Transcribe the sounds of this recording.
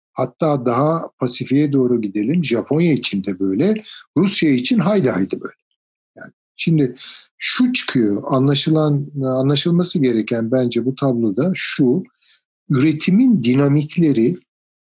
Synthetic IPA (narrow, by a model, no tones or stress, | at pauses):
hat̪ʰːaːd̪aɦapʰasifijɛd̪o̞ːɾuɟid̪e̞lʲimʒapʰo̞njait͡ʃʰind̪ɛbøjlʲɛɾusjait͡ʃʰinɦajd̪ajd̪ɯbø̰jlʲɛ | jaːnɪʃimd̪ɪʃut͡ʃʰɯ̥kʰɯjoʔanlˠaʃɯlˠananlˠaʃɯlˠmasɯɟe̞ɾɛcʰænbænd͡ʒɛbut̪ʰablˠod̪aʃu | yɾe̞t̪ʰimind̪inamicʰlʲe̞ɾɪ